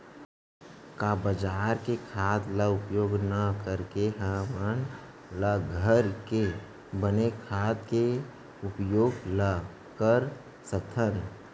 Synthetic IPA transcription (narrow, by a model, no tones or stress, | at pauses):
kaːbəd͡ʒaːɾkekʰaːt̪ləʊpjoːɡnəkəɾkeɦə̃mən | ləɡʱəɾke | bənekʰaːt̪ke | ʊpjoːɡlə | kəɾ | sək̚t̪ʰən